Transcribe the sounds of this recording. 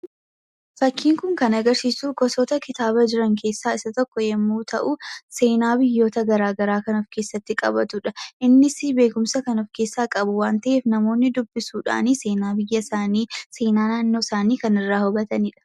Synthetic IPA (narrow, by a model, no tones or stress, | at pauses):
fɐkʰːiːŋkʊŋkɐnɐɡɐɾsiːsuːkɔsoːt̪ɐkɪt̪aːβɐd͡ʒɪɾɐŋkʰe̞ːsːaːɪsɐt̪ɔkːɔjɛmːuːt̪ʰɐ̰ʔʊse̞ːnaːbɪjːo̞ːt̪ɐɡɐɾaːɡɐɾaːkɐnɔfkeːsːɐt̪ːɪkʼɐ̰bɐt̪ʊᶑɐʔɪnːɪsɪbe̞ːkʊmsɐkɐnɔfke̞ːsːaːkʼɐbʊwaːnt̪ɐʔeːfnɐmo̞ːnːɪd̪ʊbːɪsuːᶑa̰ːniːse̞ːnaːbɪjːɐsaːniːse̞ːnaːnaːnːo̞ːsaːniːkɐnɪrːaːhʊbɐt̪ɐniːᶑɐ̥